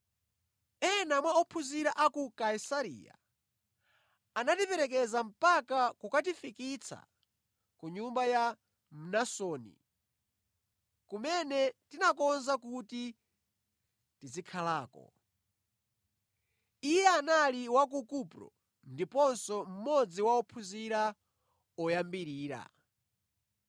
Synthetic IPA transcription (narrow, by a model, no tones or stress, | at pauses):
ɛnamwaɔpʰuziɾaʔakukaisaɾḭːja̰ | anatipɛɾɛk̬ɛzam̩pakakukatifikit͡sʰa̰ | kuɲumbaja | m̩nasɔːnḭ | kumɛnɛtinakɔnzakuti | tizikʰalaːkɔ̰ | ijɛanaliwak̬ukupɾɔ̰ | ndipɔnsɔm̩mɔd͡ziwaɔpʰuziɾa | ɔjambiɾiːɾa̰